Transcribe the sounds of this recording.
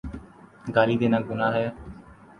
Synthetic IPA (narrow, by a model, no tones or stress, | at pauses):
ɡaːliːd̪eːnaːɡʊnaːɦɛː